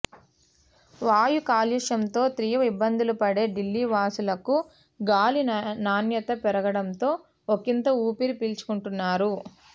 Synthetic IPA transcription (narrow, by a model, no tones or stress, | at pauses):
ʋaːjukaːliʂɐmt̪o̞ːt̪ɾijɐʋɐibːɐnd̪ulupɐɽe̞ːɖilːiːʋaːsulɐku | ɡaːlinaːnjɐt̪ɐpɛɾɐɡɐɽɐmt̪o̞ː | okint̪ɐuːpiɾipilt͡ʃu̥kuɳʈunːaːɾu